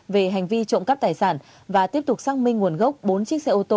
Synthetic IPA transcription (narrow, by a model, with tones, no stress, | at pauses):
ve˨˩ɦa˨˩jŋ̟vi˧t͡ɕo̰˧˨ŋ͡mka˦˥p̚t̪aː˨˩jsaː˧˩n | vaː˨˩t̪i˦˥əp̚t̪ʊ˨˩k͡p̚saː˧ŋmï˧ŋŋu˨˩ənɣə˦˥wk͡p̚ɓo˨˦nt͡ɕi˦˥k̚sɛ̰˧ʔo˧t̪o˧